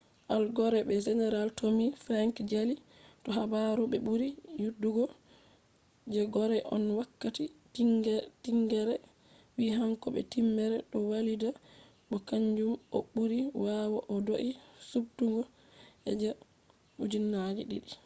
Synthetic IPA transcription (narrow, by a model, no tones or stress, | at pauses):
ʔalɡɔɾɛbɛd͡ʒɛnɛɾaltʰomifɾaŋkd͡ʒali | tɔɦabaɾuɓɛɓuɾijudːuɡɔ | d͡ʒɛɡɔɾɛʔɔ̰nwakːati | tiŋɡɛɾɛ | wiɦaŋkɔɓɛ̰timːɛɾɛɗɔwalida | ɓɔkaɲd͡ʒumɔ̰ɓuɾiwawaʔɔdoʔisubtuŋɡɔ | ʔɛ̰d͡ʒɛ | ud͡ʒinːad͡ʒiɗḭɗi